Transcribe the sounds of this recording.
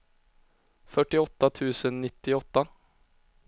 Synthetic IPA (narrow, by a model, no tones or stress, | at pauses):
fœʈːɪɔt̪ːat̪ʰʉ̟ːsənːɪt̪ːɪɔt̪ːa